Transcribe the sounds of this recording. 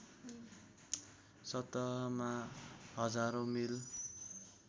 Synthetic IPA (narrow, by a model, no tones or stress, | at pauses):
sʌt̪ʌɦʌmahʌd͡zaɾomil